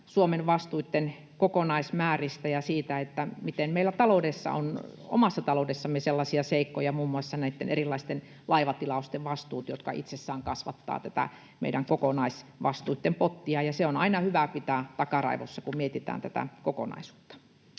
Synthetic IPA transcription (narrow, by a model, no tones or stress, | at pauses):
suomeʋʋɑst̪uit̪ːen | kokonɑismæːrist̪æjɑsiːt̪æet̪ːæmit̪emmeilːˑæt̪ɑloudesːɑ̰o̰no̰mɑsːɑt̪ɑloudesːɑmːeselːɑsiɑseikːojɑmuːmːuɑsːɑnæit̪ːenerilːɑist̪en | lɑiʋɑt̪ilɑost̪eʋʋɑst̪uːt̪jot̪kɑʔḭt̪sesːæːŋkɑsʋɑ̰t̪ːɑ̰ːt̪æt̪æ̰ | mḛidæŋkokonɑisʋɑst̪uit̪ːempot̪ːiɑjɑseonɑinɑhyʋæpit̪æːt̪ɑkɑrɑ̰iʋo̰sːɑkummiet̪it̪æ̰ːnt̪æt̪æ̰koko̰nɑ̰isu̥ːt̪ːɑ̥